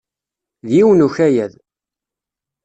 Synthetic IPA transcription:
ðjiwnuçæjæð

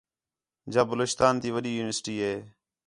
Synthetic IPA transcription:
d͡ʒaːbəloːt͡ʃt̪aːnt̪iːʋəɗiːjuːnɪʋəsʈiːɦeː

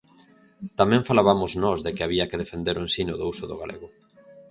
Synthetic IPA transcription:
t̪amɛ̃ɱfalaβamoznɔzðekeaβiɐkeðefend̪eɾoensinoðousʊðʊ̰ɣalʔḛɣʊ

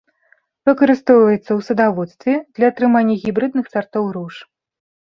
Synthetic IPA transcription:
vɨkɐɾɨst̪ɔwvɐjɛt̪sːɐwsɐd̪avɔt̪st̪vʲɛd̪lʲɐːt̪ɾɨmanʲːɐɣʲibɾɨd̪̚nɨxsart̪ɔwɾuʂ

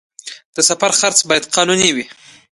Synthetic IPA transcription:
d̪̥əsafaɾxaɾt͡sbɑjad̪̚qɑnuniwi

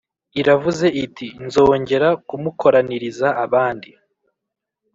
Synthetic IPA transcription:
iɾavuze̞itʰinzo̞ːɲɟe̞ɾakumukʰo̞ɾaniɾizaːβaːndi

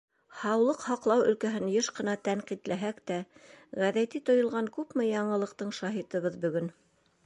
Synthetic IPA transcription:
hɑwlˠɤqhɑqlˠɑwɵ̆lkæɦɘnjɤʃqɤ̆nɑt̪æɴqit̪læɦækt̪æʁæðæt̪it̪ŏjŏlˠʁɑŋkʉpmɘjɑɴɤ̆lˠɤ̆q̚t̪ɤɴʃɑɦit̪ɤ̆βɤðbɵ̆ɡɵn

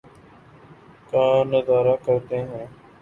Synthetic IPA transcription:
kãːnəzaːɾaːkəɾt̪eːɦɛ̃ː

